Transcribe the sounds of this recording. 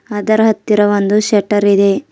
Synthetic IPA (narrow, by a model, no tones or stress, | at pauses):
ɐd̪ɐɾɐɦɐt̪ːiɾɐʋond̪uʃɐʈɐɾid̪e̞